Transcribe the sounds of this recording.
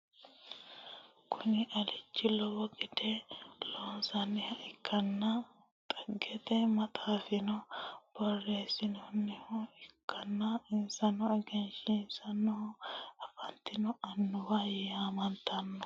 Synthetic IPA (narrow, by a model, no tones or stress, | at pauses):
kʰʊnɪʔɐlɪt͡ʃːɪlɔwɔɡʼɪd̪ɛloːnsɐnːɪhɐʔɪkʰːɐnːɐ | t̪ʼɐɡːɛt̪ɛmɐt̪ʼaːfɪnɔb̥ɔrːeːsɪnɔnːɛhɔɪkʰːɐnːɐɪnsɐnɔɛɡɛnʃɪnsɐnːɔɐfɐnt̪ːɪnɔʔɐnːʊwɐjaːmɐnt̪ːɐnːɐ